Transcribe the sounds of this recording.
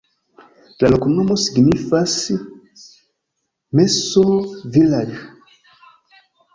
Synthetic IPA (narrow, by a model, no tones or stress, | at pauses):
lalokumnomosiɡinifasi | mɛsovilaɾu